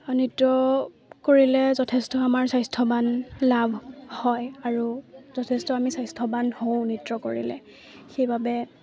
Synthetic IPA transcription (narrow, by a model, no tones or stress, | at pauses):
nitɹɔ | koɹilɛzɔtʰɛstɔamaɹsajstʰɔbanlabʱhɔjaɹuzɔtʰɛstɔamisajstʰɔbanhow̃nitɹɔkoɹḭlɛ̰ | xejbʱabɛ